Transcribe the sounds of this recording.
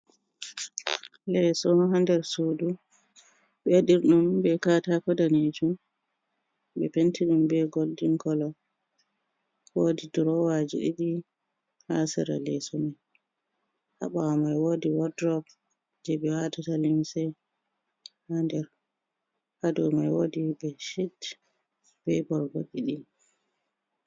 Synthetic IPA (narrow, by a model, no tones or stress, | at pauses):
lɛsɔnɦandɛɾsudu | ɓɛɗiɾɗumbɛkatakɔdaned͡ʒum | bɛ̰pentʰiɗumbɛɡoldiŋkɔlɔ | woːdiduɾɔwad͡ʒḭɗḭɗi | hasḭɾa̰lɛsɔmɛ | ha̰ɓaamajwoːdiwɔdɾɔp | d͡ʒɛbɛwatatalimsɛ | handɛɾ | hadɔmajwoːdibɛʃid | b̥ɛbɔɾɡo̰ɗiɗi